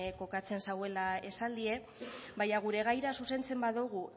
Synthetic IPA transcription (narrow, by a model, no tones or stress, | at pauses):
ko̞kat͡se̞nsawe̞lae̞sald̪ie̞ | bajaɣ̞uɾe̞ɣ̞ajɾasuse̞nt͡se̞mbaðuɣu